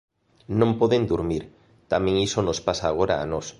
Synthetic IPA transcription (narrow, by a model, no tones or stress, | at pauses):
nõmpɔðend̪uɾmiɾ | t̪amẽŋisonospasaːɣ̞oɾa̰ːnɔs